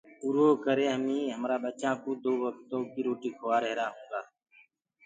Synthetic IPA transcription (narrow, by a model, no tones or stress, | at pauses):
ʊɾoːkəɾeːɦəmĩːɦəmɾaːbət͡ʃãːkoːd̪oːʋək̚ʰt̪õːkiːɾoːʈiːkʰoaːɾəɦɾaːɦõːɡaː